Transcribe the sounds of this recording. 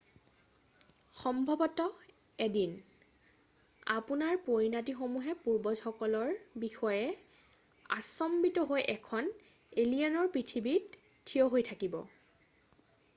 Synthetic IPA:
xɔmbʱɔbɔtɔ | edin | a̰punaɹpoɹinatixomuɦɛpuɹbɔzxɔkɔlɔɹbixɔjɛ | a̰sɔmbitɔɦojʔɛkʰɔn | elijanɔɹpɹitʰibit | tʰːiɔɦojtʰakibɔ̰

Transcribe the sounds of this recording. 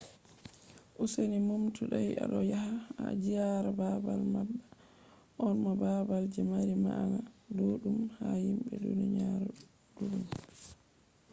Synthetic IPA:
ʔusenimumtuɗaja̰ɗɔjaɦaa̰d͡ʒijaɾababalmabːa | ʔɔnmababald͡ʒɛmaɾima̰anadoɗumhahimbɛdṵniɲaɾɔ | duɗum

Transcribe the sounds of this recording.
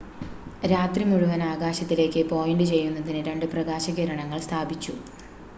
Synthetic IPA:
ɾaːt̪rimuɻuʋɐnaːɡaːɕɐt̪ːile̞ːkʲːɨpo̞ːjeɳɖɨt͡ɕe̞jːunːɐðinɨɾe̞ɳɖɨprɐɣaːɕɐɣiɾɐɳɐŋːɐɭst̪ʰaːbit͡ɕːu

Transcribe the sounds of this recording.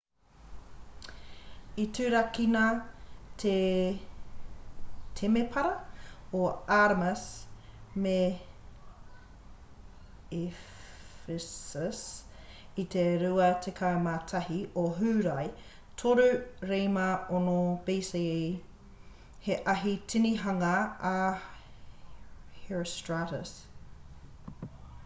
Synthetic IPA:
itʰʉːɾɐkinɐtʰe | tʰemepʰɐɾɐoaɾmɐs | me | e | fesəs | it̪ʰeɾʉɐtʰekʰamatʰɐɦiʔoɦʉːɾɐj | tʰoɾʉɾejmɐonobiːsi | heʔɐɦitʰiniɦɐŋɐː | heɹstɹatəs

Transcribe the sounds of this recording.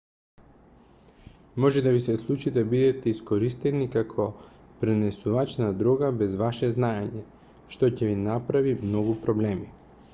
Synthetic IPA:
mɔʒɛd̪avisɛslˠut͡ʃid̪abid̪ɛt̪ɛiskoɾist̪ɛnikakʰɔ | pɾɛnɛsuvat͡ʃnad̪ɾɔɡabɛzvaʃɛznaeɲɛ | ʃt̪ocɛvinapɾavimnoɡupɾɔblɛmi

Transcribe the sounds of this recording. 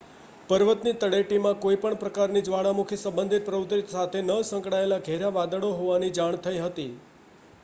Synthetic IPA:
pəɾʋət̪nit̪əɽeʈimãkoipəɳpɾəkaɾnid͡ʒʋaɽamukʰjəsəmbənd̪ʱit̪̚pɾəʋut̪ɾit̪sat̪ʰenəsə̃ŋkɽaelaɡʱeɾaʋad̪əɭoɦoʋanid͡ʒaɳt̪ʰəiɦət̪i

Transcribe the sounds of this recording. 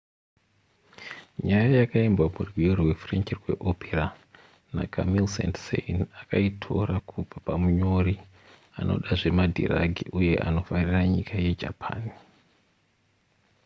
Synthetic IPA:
ɲajajakaimbwamurwijorwe̞freɲt͡ʃirweʔopera | na̰kʰamilsḛntsḛinakaitʰo̞ɾakʰub͡vapamuɲo̞ɾi | a̰no̞̰ɗaʐe̞madʱḭraɡʱiʔuje̞ʔa̰no̞fariraɲikʰaje̞d͡ʒa̰pʰa̰ːni

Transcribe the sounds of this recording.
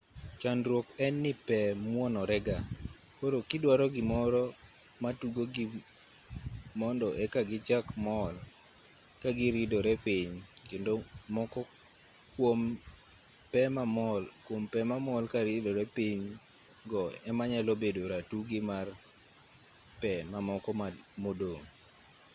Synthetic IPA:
t͡ʃanɾwokɛnːipɛmwɔnɔɾɛɡa | koɾokɪdwaɾɔɡɪmɔɾɔ | matuɡoɡɪ | mɔndɔʔɛkaɡɪd͡ʒakmɔl | kaɡɪɾidoɾɛpiɲkendomɔkɔ | kwom | pɛmamɔlkwompɛmamɔlkaɾidoɾɛpiɲ | ɡɔɛmaɲalobedoɾatuɡɪmar | pɛmamɔkɔmamodoŋ

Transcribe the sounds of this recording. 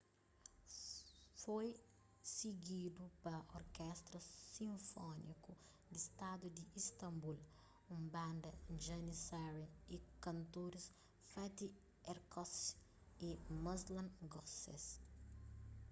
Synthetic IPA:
foj | siɡid̪upɐoɾkɛst̪ɾɐsĩɱfɔnḭku | d̪ist̪ad̪ud̪iist̪ɐ̃mbul | ũmbãnd̪ɐd͡ʒɐnisaɾiikɐ̃nt̪oɾis | fat̪i | ɛɾkɔs | imɐzlɐ̃ŋɡɔsɛ̰s

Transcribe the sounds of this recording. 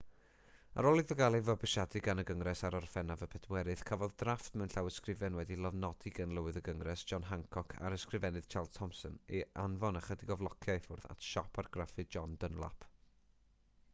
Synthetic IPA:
a̰ɾɔlˠɨvəɡalˠɨvɔbɨʃadɨɡanəɡəŋrɛsaɾɔrfɛnavəpʰɛdwɛɾɨð̥kʰavɔðdraftmɛnɬawəskrɪvɛnwɛdilˠɔvnɔdɨɡanlˠəwɨðəɡəŋrɛsd̥ʒ̥ɔnɦaŋkʰɔkʰa̰ɾəskrɨvɛnɨð̥t͡ʃʰalˠdtʰɔmsɔnianvɔnaχədɪɡɔvlˠɔkʰjajfʊrða̰tʰʃɔpʰarɡ̥rafɨd͡ʒɔndənlˠa̰pʰ

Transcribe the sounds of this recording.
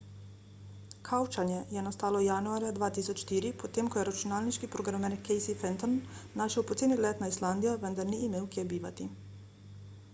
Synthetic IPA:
kʰawt͡ʃanjɛjɛnast̪aːlɔjanuaːɾjad̪ʋaːt̪iːsɔt͡ʃʃt̪iːɾipot̪eːmkɔjɛɾat͡ʃunaːlniʃkipɾoɡɾamɛnkʰːɛjsifɛnt̪ɔnːaʃɛwpɔt̪seːnilɛt̪naisland̪ijaʋənd̪aɾniːmeːwkʲjebiːʋa̰t̪i

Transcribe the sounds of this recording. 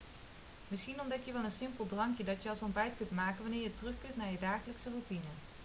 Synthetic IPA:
mɪsχinɔndɛkjəʋɛlˠənsɪmpəlˠdrɑŋkjədɑtjəɑlˠsɔmbɛjtkɵntmaːkənʋɑnɪːɹjətərɵχkɵntnaːɹjədaːχələksərutinə

